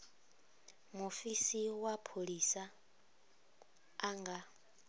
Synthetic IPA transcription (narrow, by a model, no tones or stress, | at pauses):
mofisiwapʰoɺisa | ŋɡa